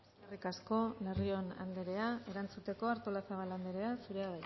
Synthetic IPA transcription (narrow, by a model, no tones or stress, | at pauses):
karikasko̞lerio̞na̰nd̪eɾe̞ae̞ɾant͡sut̪e̞ko̞aɾt̪olasaβ̞aland̪eɾe̞asuɾe̞aβaj